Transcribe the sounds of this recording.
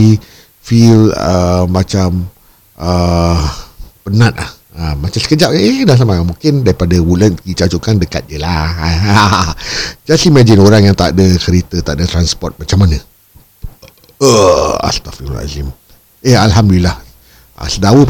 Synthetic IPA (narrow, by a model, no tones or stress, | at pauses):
i | filəːat͡ʃam | ʔə | pənãt̪̚la̰h | əmat͡ʃamsə̥kəd͡ʒapedas̬amaamuŋkɪndaɾipadawulənkit͡ʃat͡ʃukandəkat̪̚ɲəlaa | d͡ʒasimad͡ʒɪnoɾaŋjaŋt̪a̰dəkəɾit̪ət̪aʔdat̪ɾanspɔrt̪̚mat͡ʃamːanə̃ | əa̰st̪afira̰zim | ehalɦamdulilːah | a̰sədawəp